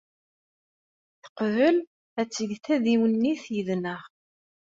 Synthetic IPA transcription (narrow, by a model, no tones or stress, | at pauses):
θə̥qvəl | æt͡sːəʝθæðiwənːiθjəðnəʁ